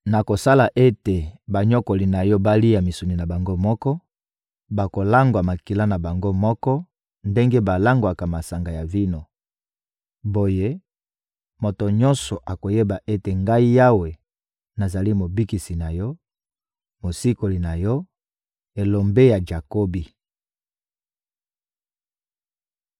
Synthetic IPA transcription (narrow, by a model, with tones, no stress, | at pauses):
na˨ko˨sa˦la˨ʔe˦te˨ba˨ɲo˦ko˨li˨na˨jɔ˦ba˦li˦a˨mi˨su˨ni˨na˨ba˨ŋɡo˦mɔ˦kɔ˦ | ba˨ko˨la˦ŋɡwa˨ma˨ki˨la˦na˨ba˨ŋɡo˦mɔ˦kɔ˦ | nde˦ŋɡe˦ba˨la˦ŋɡwa˨ka˨ma˨sa˨ŋɡa˨ja˨vi˦no˨ | bo˦je˦ | mo˨to˨ɲɔ̃˦nsɔ˨ʔa˨ko˨je˦ba˨ʔe˦te˨ŋɡa˦i˦ja˦we˨ | na˨za˨li˦mo˨bi˦ki˨si˨na˨jɔ˦ | mo˨si˦ko˨li˨na˨jɔ˦ | e˨lo˨mbe˦ja˨d͡ʒa˨ko˦bi˨